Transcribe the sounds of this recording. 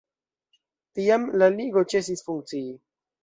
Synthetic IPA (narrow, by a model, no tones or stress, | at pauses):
t̪ijamlaliɡot͡ʃes̬isfuŋkt͡siː